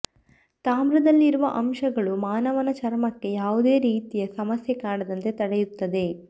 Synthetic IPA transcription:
t̪aːmɾɐd̪ɐlːiɾuʋɐ̰ʔɐmʃɐɡɐɭumaːnɐʋɐnɐt͡ʃɐɾmɐkːe̞jaːʋud̪e̞ːɾiːt̪ijɐsɐmɐsjekaːɽɐd̪ɐnt̪e̞t̪ɐɽejut̪ːɐd̪e̞

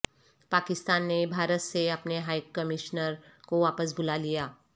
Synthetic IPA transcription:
paːkɪst̪aːnːebʱaːɾət̪seɐpneɦaːɪkɐmɪʃnəɾkoʋaːpəs̬bʊlalijaː

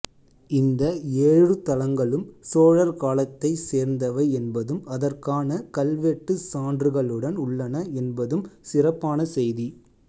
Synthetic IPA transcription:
ɪnd̪ɐeːɻɯt̪ɐlɐŋɡɐɭɯmsoːɻɐɾkaːlɐt̪ːɐɪseːɾnd̪ɐʋɐɪɛnbɐðɯmɐðɐrkaːnɐkɐlʋeʈːɯsaːndrɯɣɐɭɯɽɐnʊɭːɐnɐɛnbɐðɯmsɪrɐpːaːnɐsɛjði

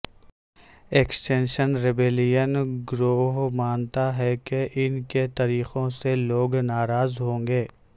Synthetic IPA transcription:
eːksʈẽːnʃənɾɪbeːlɪjənɡɾoːɦmaːnt̪aɦɛkeʔɪnket̪aɾiːxõseloːɡnaːɾaːzɦõːŋɡeː

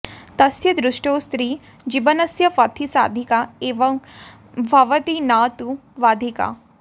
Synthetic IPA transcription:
t̪ɐsjɐd̪ɾuʂʈoːst̪ɾiː | d͡ʑibɐnɐsjɐpɐt̪ʰisa̰ːd̪ʱikaeːʋɐŋ | bʱɐʋɐt̪inaːt̪uʋaːd̪ʱika̰

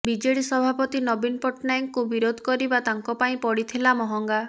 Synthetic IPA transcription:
bid͡ʒeɽisɔbʱapɔt̪inɔbinpɔʈnajŋkubiɾod̪ʱɔ̥kɔɾibat̪aŋkɔpaĩpɔɽit̪ʰelamɔɦɔŋɡa

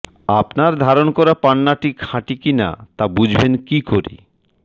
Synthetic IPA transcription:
apnaɾd̪ʱaɾonkɔɾapanːaʈikʰãʈikina̰t̪abud͡ʑʱbenkikoɾḭ

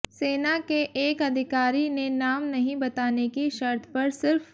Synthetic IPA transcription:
seːnakeʔeːkɐd̪ʱɪkaːɾinenaːmnɐɦĩbɐt̪aːnekiʃɐɾt̪ʰpɐɾsɪɾf

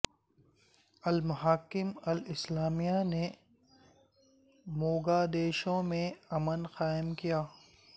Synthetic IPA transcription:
ɐlmʊɦaːkɪmɐlɪslaːmijane | moːɡaːd̪eːʃõmẽɐmənxaːɪmkijaː

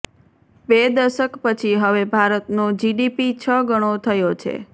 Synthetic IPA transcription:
bed̪əʃəkpət͡ʃʰiɦəʋebʱaɾət̪nod͡ʒiɖipit͡ʃʰəɡəɽ̃ot̪ʰəjot͡ʃʰḛ

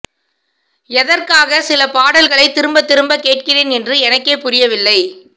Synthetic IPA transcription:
ɛðɐrkaːɣɐsɪlɐpaːɽɐlɣɐɭɐɪt̪ːɪɾɯmbɐt̪ːɪɾɯmbɐkeːʈ̚kɪreːnɛndrɯɛnɐkːeːpʊɾɪjɐʋɪlːɐɪ

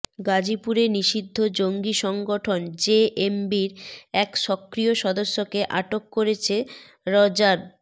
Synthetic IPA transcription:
ɡad͡ʑipuɾeɾniʃid̪ʱːod͡ʑoŋɡiʃɔŋɡoʈʰond͡ʑeʔembiɾɛkʃɔkːɾijoʃɔd̪osːokeʔaʈokːoɾet͡ɕʰe | ɾɔd͡ʑaɾ

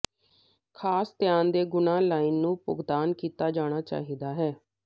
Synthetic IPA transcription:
kʰaːst̪ɪjaːnd̪eːɡʊnãːlaːiːnːũːpʊ̰ɡd̪aːnkiːt̪aːd͡ʒaːɽ̃aːt͡ʃa̰ːɦiːd̪aːɦɛː

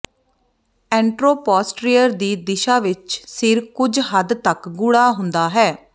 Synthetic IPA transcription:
ɛ̃ːɳʈɾoːpɔːsʈɾiːəɾd̪iːd̪ɪʃaːʋɪt͡ʃsɪɾkʊd͡ʒɦəd̪t̪əkɡʊɽaːɦʊnd̪aːɦɛː

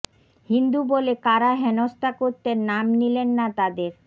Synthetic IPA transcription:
hind̪ubolekaɾaɦenost̪akoɾt̪eɾnamnilenːat̪ad̪eɾ

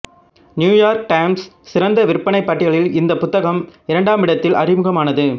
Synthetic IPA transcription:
njuːjaːɾk̚ʈɐɪmsːɪɾɐnd̪ɐʋɪɾpːɐɳɐɪpːɐʈːɪɣɐɭɪlɪnd̪ɐpʊt̪ːɐɣɐmɪɾɐɳɖaːmɪɽɐt̪ːɪlʔɐɾɪmɯɣɐmaːnɐðɯ

